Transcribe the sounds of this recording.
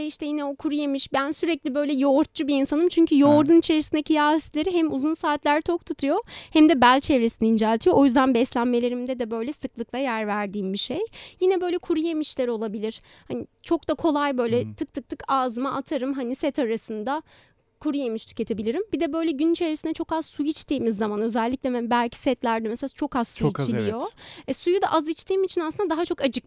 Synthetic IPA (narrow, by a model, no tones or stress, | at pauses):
iʃt̪ɛjinɛo̞kʰuɾujemiʃbænsyɾɛclʲibø̞jlʲɛjoːɾt̪̚t͡ʃubiinsanɯmt͡ʃʰyɲcyjo̞ɾd̪unit͡ʃʰe̞ɾisind̪ɛcʰijaːist̪lʲe̞ɾiɦɛmuzunsaːt̪lʲæɾt̪ʰo̞k̚t̪ʰut̪ʰujo̞hæmd̪ɛbælʲt͡ʃʰɛvɾesiniind͡ʒaːt̪ʰijoʔojyzd̪ænbɛslʲænme̞lʲe̞ɾimd̪ɛd̪ɛbø̞jlʲɛsɯklˠɯklˠajæɾvæɾd̪iːmbiʃejjinɛbø̞jlʲɛkʰuɾujemiʃlʲɛɾo̞lˠabilʲiɾ̥ | hanit͡ʃʰo̞k̚d̪akʰo̞lˠajbø̞jlʲɛt̪ʰɯk̚t̪ʰɯk̚t̪ʰɯkaːzɯmaʔat̪ʰaɾɯmɦanisɛt̪ʰaɾasɯnd̪a | kʰuɾujemiʃt̪ʰy̥cʰʲe̞t̪ʰe̞bilʲiɾimbid̪ɛbø̞jlʲɛɟynit͡ʃʰe̞ɾisinɛt͡ʃʰo̞kazsujit͡ʃt̪ʰiːmizːamanø̞zælʲːiclʲɛmɛbælʲcʰi̥sɛt̪lʲæɾd̪ɛmɛselʲat͡ʃʰo̞kazsuit͡ʃilʲˠijo̞ɛsujud̪a̰ʔazit͡ʃt̪ʰiːmit͡ʃʰinasɯnd̪ad̪aɦat͡ʃʰo̞kad͡ʒʰɯk̚